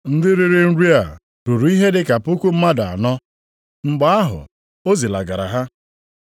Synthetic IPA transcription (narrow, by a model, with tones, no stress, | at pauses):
n̩˦dɪ˦ɾi˦ɾɪ˦n̩˦ɾi˦a˨ | ɾu˨ɾu˨i˦ɦe˦dɪ˦ka˨pʊ˦ku˦m̩˦ma˦da˨a̰˨nɔ˦ | ŋ͡m̩˦ɡ͡ba˦a˦ɦʊ̰˨ | o˦zi˨la̰˨ɡa˨ɾa̰˨ɦa˦